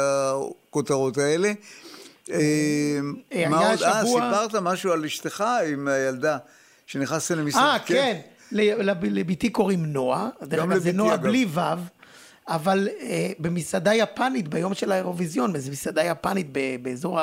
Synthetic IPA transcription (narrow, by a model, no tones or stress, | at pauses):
akot̪aʁot̪aele | e | ajaʃasuapaʁt̪amaʃualiʃt̪eχaimajald̪a | ʃeniχnast̪alemisaken | lelalebit̪ikoʁimno̞adeazenoalivav | avalebemisadajapanit̪bajo̞mʃelaeʁo̞vizjo̞nmezemisadajapanit̪̚bebeːzo̞ʁa